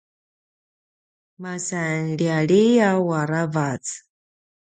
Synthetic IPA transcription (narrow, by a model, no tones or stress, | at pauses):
masanɺiaɺiawaɾavat͡s